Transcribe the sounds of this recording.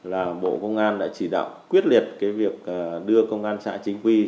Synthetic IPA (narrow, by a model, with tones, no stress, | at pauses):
laː˨˩ɓo̰˧˨kə˧wŋ͡mʔaː˧nɗa̰ː˧˥t͡ɕi˧˩ɗa̰ː˧˨wkwi˦˥ət̚li˨˩ət̚kaː˨˦jvi˨˩ək̚ʔaː˨˩ɗɨ˧əkə˧wŋ͡mʔaː˧nsa̰ː˧˥t͡ɕï˨˦ŋ̟kwi˧